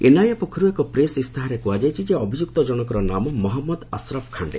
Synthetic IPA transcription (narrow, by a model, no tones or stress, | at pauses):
enajapɔkʰɔɾuekɔpɾesist̪ʰaɦaɾekuad͡ʒajt͡ʃʰid͡ʒeɔbʱid͡ʒuk̚t̪ɔd͡ʒɔɽ̃ɔkɔɾɔnamɔmɔɦɔmːɔd̪asɾɔbkʰaɳɖḛ